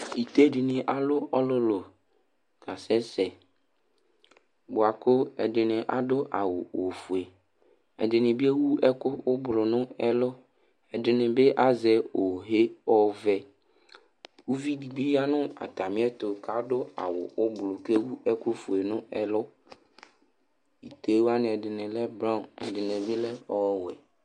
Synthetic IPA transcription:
i˨t̪e˦dɪ˨nɪ˨ʔa˨lʊ˦ɔ˦lʊ˦lʊ˨ | ka˨sɛ˦sɛ˨ | bʊ˨a˨kʊ˦ɛ̰˨dɪ˨nɪ̃˨ʔa̰˨dʊ˦ʔa˨wʊ˨o˨fu˨e˨ | ɛ̰˨dɪ˨nɪ̃˨bɪ˦e˦wu˦ɛ˦kʊ˦ʊ˦blʊ˨nʊ̃˦ɛ˦lʊ˦ | ɛ˨dɪ˨nɪ˨bɪ˦ʔa˦zɛ˨o˨ɦe˦ɔ˦vɛ˨ | wu˦vi˦di˨bi˦ja˦nʊ̃˦a̰˨t̪a˨mɪ̃˦ɛ˦t̪o˨ka˨˦dʊ˦a̰˨wʊ̰˨ʊ˦blʊ˨ke˦wu˦ɛ˦kʊ˦fu˨e˨nʊ̃˦ɛ˨lʊ˦ | i˨t̪e˨˦wa˦nɪ̃˨ɛ˨dɪ˨nɪ̃˨lɛ˦bɾã˦˨ɛ̰˨dɪ˨nẽ˨vi˦lɛ˦ɔ˦wɛ˨

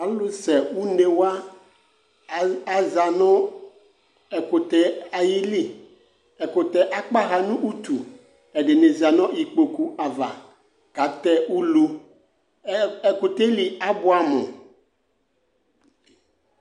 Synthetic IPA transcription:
a˨˦lʊ˦sɛ˨wu˦ne˨wa˦ | a˨za˨nʊ̃˦ | ɛ˨kʊ˨t̪ɛ˨a˨ji˦li˦ | ɛ˨kʊ˨t̪ɛ˨ʔa˦k͡pa˦ɣa˨nʊ̃˦ʔu˦t̪u˨ | ɛ˨dɪ˨ne˨za˨nɔ̃˦i˨k͡po˨ku˦ʔa˨va˨ | ɡ̥a˨t̪ɛ˦u˦lu˦ | ɛ˨kʊ˨t̪e˦li˨a˦bʊ˦a˨mʊ̰̃˨

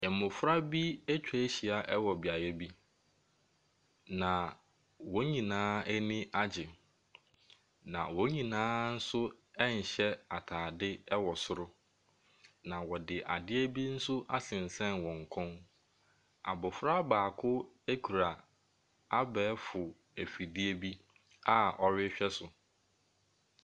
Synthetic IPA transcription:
ɛ˨mʊ̃˨fʊ˦ɾa˦bi˦ɛ˦t͡ɕᶣɛ˨˦ɕi˨a˨ʔɛ˦wɔ˨bɪ˨a˨jɛ˦bi˦ | nã˨ | wɔ˦ɲĩ˨nãː˦ɛ˦nĩ˦ʔa˦d͡ʑɪ˨ | nã̰˨wɔ˦ɲĩ˨nãː˦n̩˦sʊ˦ɛ˦ɲ̩˨ɕɛ˦a˨tʰaː˨dɪ˦ɛ˦wɔ˨sʊ˦ɾʊ˦ | nã˨wɔ˨dɪ˨ʔa˨dɪ˦e˦bi˦n̩˦sʊ˦ʔa̰˦sɪ̃˨n̩˨sɛ̃˦nwɔ̃˨ŋ̩˨kʰʊ̃˦n | a̰˨bʊ˨fɾa˦baː˨kʰʊ˦ | æ˦kʰu˨ɾa˨ | a˦bɛː˨˦fʊ˨ | æ˨fi˨dɪ˦e˦bi˦ | a˦ɔ˨ɾɪ˦ɕᶣɛ˦sʊ˨

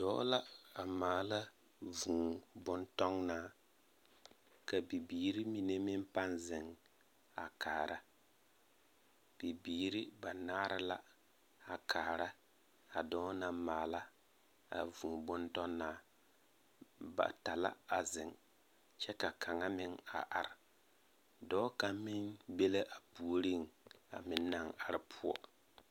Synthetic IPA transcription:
d̥ɔː˦la˦a˨maː˨la˦ | vũ˨bʊ˦ntɔ˦ŋnaː˦ | ka˨bi˨biː˨ɾi˦mi˨ne˦mɪ˦mpa˦nzɪ˨ŋ | a˨kʰaː˨ɾa˦ | b̥i˨biː˨˦ɾi˦ba˨naː˦ɾɪ˦la̰˦ | a˨kʰaː˨ɾa˦ | a˨dɔː˦na˨mmaː˨la˦ | a̰˨vu˨bʊ˦ntɔ˦nːaː˦ | ba̰˨ta˨la̰˦a˨zɪ˨ŋ | t͡ʃɛ˦ka˨kʰa˨ŋa˦mɪ˦ŋa̰˨ʔa˨ɾɪ˨ | dɔː˦ka˨mɪ˦nbe˦la˦ʔa˨pu˨o˨ɾi˦˨ŋa̰˨mɪ˨nːa˨ŋa˨ɾɪ˦pʰʊ˦ɔ̰˦

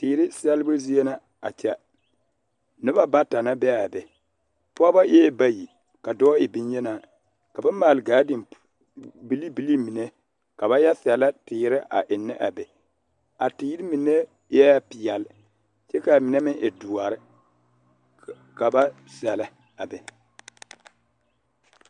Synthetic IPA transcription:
tɪː˨ɾɪ˦sɛ˦lbɨ˦zi˦e˦na˨ | a̰˨t͡ʃɛ˨ | nɨ˦ba˦ba˦ta˨na˦bɛ˦a˨bɛ˨ | pʊ˦a˦ba˦ʔɛ˦ba˦ji˨ | ka˨dɔː˦ɪ˨bi˦n˦jɛ˦naː˦˨ | ka˨ba˦m˦mːaː˨lɨ˨ɡaː˨˦dɪ˨m | bi˦li˦bi˦li˦mi˨ne˦ | ka˨βa˦ja˦sɛ˨la˦tɪː˨˦ɾɪ˦ʔa̰˨ʔɪ˨nːɪ˦ʔa˨bɛ˨ | a˨tiː˨˦ɾi˦mi˨ne˦ | jɛ˦pɪ˨jɛ˨lɪ˦ | t͡ʃɛ˦ka˨mɪ˨nɛ˦mɪ˦ʔɛ˨du˨a˨ɾɪ˦ | ka˨ba˦ | sɛ˨la˦ | a˨bɛ˨

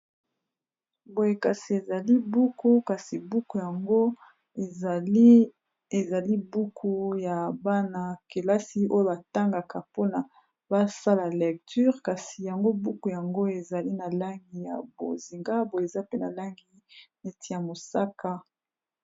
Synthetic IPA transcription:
bo˨je˨ka˨si˨e˨za˨li˦bu˦ku˦ka˨si˨bu˦ku˨ja˨ŋɡo˦ | e˨za˨li˦bu˦kʰu˦ja˨ba˦na˨ke˨la˦si˦o˦jo˦ba˨ta˦ŋɡa˨ka˨po˦na˨ | ba˦sa˦la˨lɛ˨k̚ty˦ʁka˨si˨ja˨ŋɡo˦bu˦ku˨ja˨ŋɡo˦e˨za˨li˦na˨la˦ŋɡi˦ja̰˨bo̰˨zi˨ŋɡa˦bo˨je˨e˨za˦pe˦na˨la˦ŋɡi˦ | ne˨ti˨ja˨mo˨sa˦ka˦

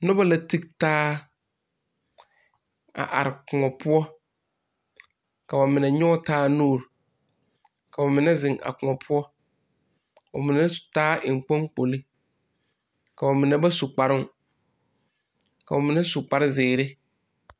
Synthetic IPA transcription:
nʊ˦ba˦la˨ti˦ktaː˦ | a̰˨ʔa̰˨ɾɪ˨kʊ˨ŋɔ˨pʰʊ˦ɔ˦ | ka˨ba˨mɪ˨nɛ˨ɲɔ˦tʰaː˦no˦˨ɾ | ka˨ba˨mɪ˨nɛ̃˦zɪ̃˨ŋʔa̰˨kʊ˨ɔ˨pʰʊ˦ɔ˦˨ | ba˨mɪ̃˨nɛ˦˨taː˦ʔɪ˨ŋ̩˨k͡põ˦ŋk͡po˨lɪ˦ | ka˨ba˨mɪ̃˨nɛ̃˦ba˦su˨k͡pa˨ɾɪ̃˦n˦ | ka˨ba˨mɪ̃˨nɛ̃˦su˨k͡pa˦ɾɪ˦zɪː˨ɾɪ˦

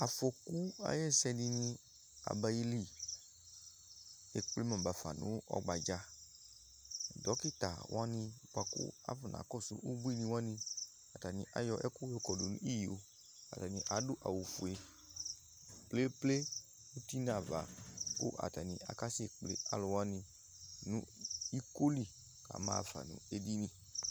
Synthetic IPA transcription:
a˨fo˧ku˦a̰˧jɛ˦˨sɛ˧nĩ˧nĩ˧ | a̰˨ba˧ji˧li˨ | e˨k͡ple˨˦mɔ̃˨ba˨fa̰˨nṵ̃˨˦ɔ̰˧ɡ͡ba˨d͡ʒa˧˨ | dɔ˨˦ki˦˨ta̰˨wʔa˦nĩ˧k͡pa˧kṵ˦a̰˦fu˨nʔa̰˨˦kɔ˦˨sṵ˨˦ʔu˦ɡ͡bu˦i˦˨nĩ˧wa˦nĩ˧ | a˨ta˨nḭ̃˧˨ʔa̰˨jɔ˧ʔɛ˦ku˦o˧˦kɔ˨do˨nũ˦i˦˨jo˨˦ | a̰˨ta˨nĩ˧˨ʔa˨˦du˦ʔa̰˨wu˨fu˨e˧ | ple˦ple˦ | u˦ti˦na˨va̰˨kṵ˦ʔa̰˨ta˨nĩ˧ʔa˨ka˦se˦˨k͡plḛ˨˦a˦lɔ˧wa˦nĩ˧ | nũ˦i˦ko˦li˦˨ | ka̰˨˦ma̰ː˦˧˨fa̰˨nṵ̃˨˦e˧di˦nĩ˧

